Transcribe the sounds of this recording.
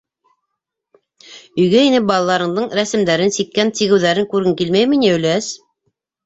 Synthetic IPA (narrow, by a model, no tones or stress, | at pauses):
ɵ̆jɡæinɘp̚bɑlˠɑlˠɑɾɤ̆ɴd̪ɤɴɾæsɘ̆md̪æɾɘnsikːænt̪iɣɘ̆wðæɾɘŋkʉɾɘŋkilmæjmɘnʲiɵ̆jlæs